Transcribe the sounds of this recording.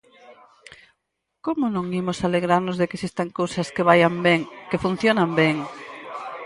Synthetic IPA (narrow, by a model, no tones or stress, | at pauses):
komʊnõŋimʊsaleɣɾaɾnʊzðekesist̪aŋkowsɐskeβajambeŋkefun̟θjonambeŋ